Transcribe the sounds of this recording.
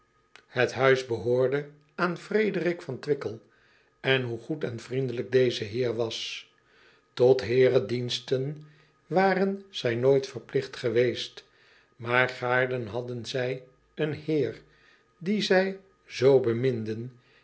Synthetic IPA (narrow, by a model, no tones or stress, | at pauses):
hətɦœɥzbəɦoːɹdə | aːnfrejdərɪkfɑntʋɪkəlˠ | ɛnɦuχutɛnvrindələɡ̚dejzəɦɪːɹʋɑs | tɔtɦɪːrədinstən | ʋaːrənz̥ɛjnojtfəɹplɪχtχəʋejst | maːɹχaːɹdənɦɑdənzɛj | ənhɪːr | dizɛj | zowbəmɪndən